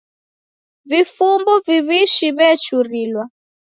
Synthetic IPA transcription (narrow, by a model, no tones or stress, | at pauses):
vifumbɔviβiʃiβɛt͡ʃuɾiːlwa